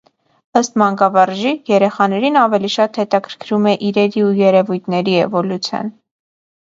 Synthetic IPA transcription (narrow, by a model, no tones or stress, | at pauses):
əst̪mɑŋkɑvɑɾʒijɛɾɛχɑnɛɾinɑvɛliʃɑt̪hɛt̪ɑkʰəɾkʰɾumɛʔiɾɛɾiujɛɾɛvujt̪ʰnɛɾiɛ̰vɔlut͡sʰjɑ̰n